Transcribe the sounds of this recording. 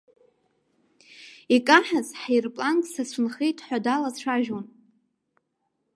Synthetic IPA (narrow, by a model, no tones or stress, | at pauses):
ikʼaħazħajrpʼlantʼsat͡sʷʰʊnχejtʼħʷadalat͡ɕʷʰaʒon